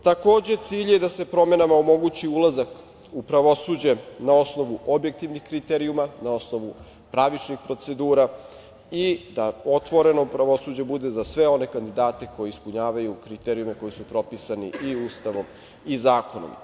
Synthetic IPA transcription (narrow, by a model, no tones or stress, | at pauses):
t̪ako̞ːd͡ʑe̞t̪siːʎje̞d̪ase̞pɾo̞me̞namaomo̞ɡut͡ɕiulˠazak | upɾaʋo̞suːd͡ʑe̞nao̞sno̞ʋuʔo̞bje̞k̚t̪iʋnixkɾit̪eɾiumanao̞snoʋu | pɾaʋit͡ʃnixpɾo̞t̪se̞d̪uːɾa | id̪ao̞t̪ʋo̞ɾe̞nopɾaʋo̞suːd͡ʑe̞bud̪e̞zasʋe̞o̞ne̞kand̪id̪aːt̪e̞ko̞jeispuɲaːʋajukɾit̪eɾiume̞ko̞jisupɾo̞pisanḭʔiuːst̪aʋo̞m | izaːko̞no̰m